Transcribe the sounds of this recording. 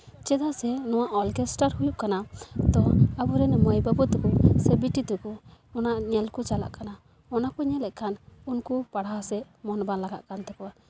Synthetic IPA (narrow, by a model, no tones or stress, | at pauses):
t͡ʃɛd̪asɛnɔwaʔɔlkɛsʈaɾhujuʔkanad̪ɔabuɾɛnɛmɔjbabɔt̪ukɔsɛbiʈit̪ukɔɔnaʔɲɛlkut͡ʃala̰ʔkana | ɔnakɔɲɛlɛʔkʰanunkupaɽasɛ | mɔnbanlaɡa̰ʔkant̪ɛkɔwa